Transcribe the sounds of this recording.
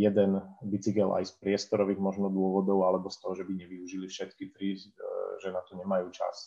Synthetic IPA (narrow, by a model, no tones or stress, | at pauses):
jɛd̪ɛnbit͡sikɛlʔa̰jspɾɪɛst̪ɔɾɔʋiːɣmɔʒnɔd̪ʊɔʋɔd̪ɔʊalɛbɔst̪ɔɦɔʒɛbiɲɛʋiuʒilifʃɛt̪kit̪ɾiʒɛnat̪ɔɲɛmajuːt͡ʃa̰s